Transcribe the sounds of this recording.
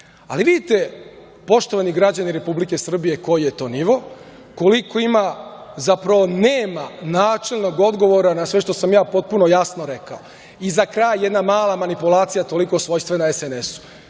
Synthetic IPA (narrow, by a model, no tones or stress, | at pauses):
a̰liʋid̪it̪e̞ | po̞ʃt̪oʋaniɡɾad͡ʑaniɾe̞publike̞sr̩bijeko̞jjet̪o̞ːniʋo̞ | ko̞liko̞imazapɾaʋo̞neːmanaːt͡ʂelˠno̞ɡo̞d̪ɡo̞ʋo̞ɾanasʋe̞ʃt̪o̞samjaːpo̞t̪̚puno̞jasno̞ɾeka̰o | izakɾaːjːjed̪namaːlˠamanipulaːt̪sijat̪o̞liko̞sʋo̞jst̪ʋenaesenesu̥